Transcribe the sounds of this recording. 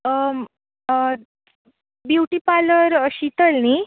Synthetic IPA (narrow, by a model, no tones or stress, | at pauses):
bjuʈipaləɾɕit̪əlni